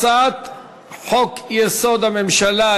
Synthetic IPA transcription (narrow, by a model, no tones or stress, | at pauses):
at̪ | ħokjesod̪amemʃala